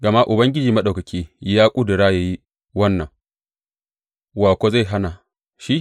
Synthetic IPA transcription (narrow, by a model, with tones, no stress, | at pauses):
ɡɐ˨ma˦ʔʊ˨bɐ˦ŋɡʲɪ˦d͡ʒiː˨mɐ˦ɗa˨kɐ˨kʲʰiː˦jaː˦kʷʼʊ˦dɪ˨ɾaː˦jaː˨ji˦ | wɐ˦nːɐ˨ŋ | waː˨kʷo˦za˦˨jɦa˦na˨ | ʃi˦